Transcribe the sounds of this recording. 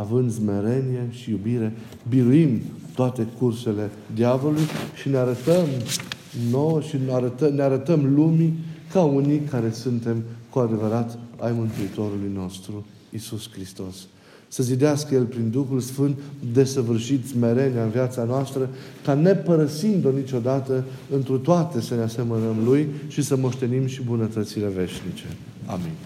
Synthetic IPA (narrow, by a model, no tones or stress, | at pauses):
avɨnd̪zme̞ɾe̞nie̞ʃijubiɾe̞ | biɾuim | t̪oat̪e̞kurse̞le̞ | d̪iavo̞lujʃineaɾət̪əm | no̞wəʃinaɾət̪əneaɾət̪əmlumikaunikaɾe̞sunt̪e̞mkuad̪e̞vəɾat̪ajmɨnt̪uit̪o̞ɾulujno̞st̪ɾu | isuskɾist̪o̞sː | əzid̪easkəje̞lpɾind̪uxulsfɨnt̪d̪e̞səvɨrʃit̪zme̞ɾe̞naɨnviat̪sanoast̪ɾəkane̞pəɾəsind̪o̞nit͡ʃo̞d̪at̪ə | ɨnt̪ɾut̪oat̪e̞sənease̞mənəmlujʃisəmo̞ʃt̪e̞nimʃibunət̪ət̪sile̞ve̞ʃnit͡ʃe̞̰ | a̰mḭn